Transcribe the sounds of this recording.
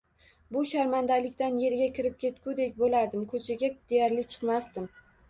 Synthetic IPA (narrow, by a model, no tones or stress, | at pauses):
bʊʃaɾmand̪alɪkʲt̪anje̞ɾɡʲakʲɪɾɪp̚kʲʰe̞t̪kʲʊd̪ekʲbolaɾd̪ɪmkʰɵt͡ʃʰaɡʲad̪̥ejaɾlɪt͡ʃʰɨ̥qmast̪ɪm